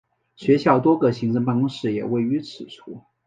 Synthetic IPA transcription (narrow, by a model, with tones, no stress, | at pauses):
ɕɥɛ˧˥ɕjɑ˥˩ʊt̪wɔ˥ɡɤ˧ɕi˧˥ŋʈ͡ʂɤ˧ŋpɑ˥ŋ˥ʂɻ̩˥˩jɛ̰˨˩we˥˩ɪy˧˥t͡sʰɹɻ̩˨˩ʈ͡ʂʰu˥